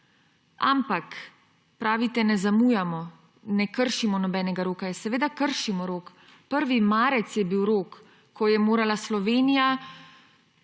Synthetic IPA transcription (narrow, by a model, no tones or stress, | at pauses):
a̰mpak | pɾaːʋit̪ɛnɛzamuːjamɔ | nɛkəɾʃimɔnɔbɛːnɛɡaɾoːkajɛsɛʋeːd̪akəɾʃimɔɾoːk | pəɾʋimaːɾɛt̪sjɛbiwɾoːkː | ɔjɛmoːɾalaslɔʋeːnija